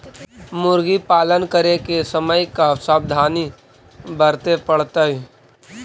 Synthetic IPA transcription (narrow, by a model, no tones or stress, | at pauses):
mʊɾɡipaːlənkəɾekesəməjkasaːb̚d̪ʱaːni | bəɾt̪epəɽ̤t̪aɦi